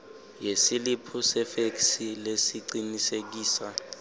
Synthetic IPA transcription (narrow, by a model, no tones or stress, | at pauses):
jesilipʰusɛfeksilesiǀinisek̬iːsa